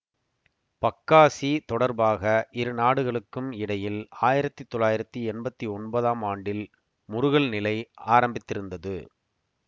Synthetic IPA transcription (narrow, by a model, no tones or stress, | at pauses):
pɐkːaːsit̪ɔɽɐɾbaːɣɐʔɪɾɯnaːɽɯɣɐɭɯkːɯmɪɽɐjɪlaːjɪɾɐt̪ːit̪ːɔlːaːjɪɾɐt̪ːiɛnbɐt̪ːiɔnbɐðaːmaːɳɖɪl | mʊɾʊɣɐɭnɪlɐɪaːɾɐmbɪt̪ːɪɾɯnd̪ɐðɯ̰